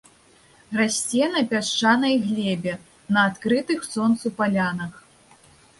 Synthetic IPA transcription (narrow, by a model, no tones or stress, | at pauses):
rasʲt͡sʲɛnɐpʲaʂt͡ʂanɐjɣlʲɛbʲɛ | nɐːt̪kɾɨt̪ɨxsɔnt̪supalʲanɐx